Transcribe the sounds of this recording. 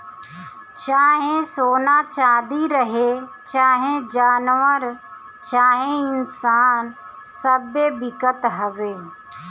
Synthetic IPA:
t͡ɕaːɦẽsoːnat͡ʃaːd̪iɾɐɦeː | t͡ɕaːɦẽd͡ʑaːnʋəɾ | t͡ʃaːɦẽɪnsaːn | sɐbebɪkət̪ɦɐʋeː

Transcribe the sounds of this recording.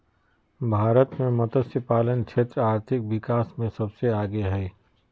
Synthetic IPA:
bʱaːɾət̪mẽmɐt̪əsəpaːlənkʃʰeːt̪ɾaːɾt̪ʰɪk̚ʋɪkaːsmẽsɐbseaːɡeɦɛː

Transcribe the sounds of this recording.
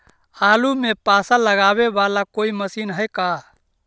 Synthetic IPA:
aːlumẽpaːsaləɡaːβeʋaːlakoːiməsiːnɦəjka

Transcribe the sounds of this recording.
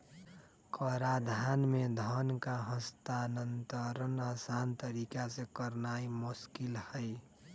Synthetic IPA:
kəɾad̪ʱanmed̪ʱɔnkaɦə̃st̪anənt̪əɾənaːsant̪əɾikasekəɾnaːimʊskɪlhəɪ

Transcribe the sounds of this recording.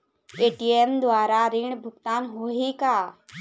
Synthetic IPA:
eːʈiemd̪waːɾaɾiɳbʱʊkt̪aːnɦoːɦikaː

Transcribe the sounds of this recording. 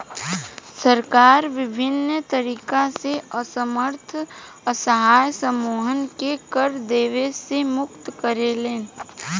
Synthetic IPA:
səɾkaːɾʋɪbʱɪnt̪əɾiːkaseəsəməɾt̪ʰ | əsəɦaːjsəmoːɦənkekəɾd̪eːʋesemʊk̚t̪kəɾeleː

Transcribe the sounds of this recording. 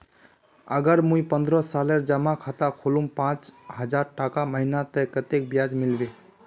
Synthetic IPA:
ə̰ɡəɾmujpənd̪ɾəsaleɾd͡ʒəmakʰat̪akʰolumpãt͡ʃɦəd͡ʒaɾʈakaməɦinat̪əjkət̪ek̚bjad͡ʒmilbe

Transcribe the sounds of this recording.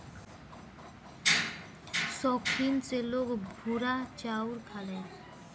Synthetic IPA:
sɔkʰɾint͡selokbʱuɾat͡ɕawɾkʰale

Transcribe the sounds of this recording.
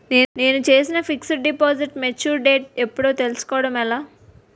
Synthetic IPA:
ne̞ːne̞ːnut͡ʃe̞ːsinɐpʰiksɖipoːd͡ʒiʈmet͡ʃːuːɾɖeːʈ̚epːuɽoːt̪elisu̥kɔːɐɽɐmɛlaː

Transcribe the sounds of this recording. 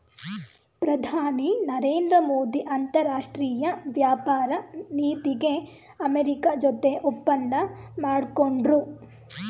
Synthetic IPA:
pɾɐd̪ʱaːninɐɾeːnd̪ɾɐmoːd̪iʔɐnt̪ɐɾaːʂʈɾiːjɐʋjaːpaːɾɐniːt̪iɡe̞ | ɐmeɾikad͡ʒɔt̪eʔupːɐnd̪ɐmaːɽkoɳɖɾu

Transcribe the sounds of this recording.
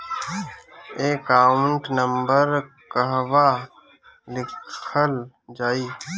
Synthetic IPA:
eːkaːɳʈnəmbəɾ | kəɦʋaː | lɪkʰəl | d͡ʒaːiː

